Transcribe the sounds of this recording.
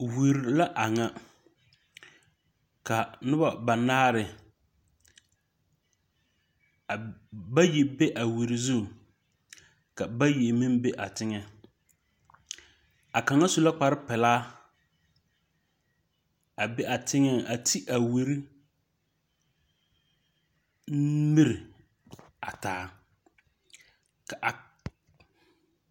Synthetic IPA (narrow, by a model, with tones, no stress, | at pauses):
wi˨ɾla˦ʔa˨ŋa˦ | ka˨nʊ˦ba˨ba˨naː˦ɾɪ˨ | ba˦ji˨be˦ʔa˨wi˨ɾi˨zu˦˨ | ka˨ba˦ji˨mi˦mbɛ˦ʔa˨tɪ˦ŋɛ˦ | a˨ka˨ŋa˦su˨la˦k͡pa˨ɾɪ˦pɛ˨laː˦ | a˨bɛ˦ʔa˨tɪ˦ŋɛ˦ʔa˨tʰi˦ʔa˨wi˨ɾi˦ | m˦mi˦ɾɪ˨ | a˨taː˨˦ | ka˨